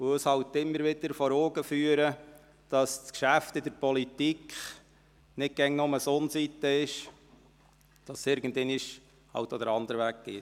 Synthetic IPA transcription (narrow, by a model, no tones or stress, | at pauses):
muəshɑwt̪ːɪmːəɾʋɪd̪əɾfɔɾoːɡəfyːəɾə | d̥ɑskʃæftɪdəɾpɔlit̪ikχ | nɪt̚ɡ̥ɛŋnʊməsonsit̪ːəɪʃ | d̥ɑsːɪɾɡ̥ən̩dɛnɪʃ | hɑ̰wtɔd̪əɾɑnd̪əɾəʋæːk̚ɡ̥ɪːt